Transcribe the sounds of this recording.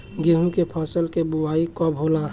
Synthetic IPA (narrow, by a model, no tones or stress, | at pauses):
ɡeɦũkepʰɔːsəlkebuwaːikɔbʱoːla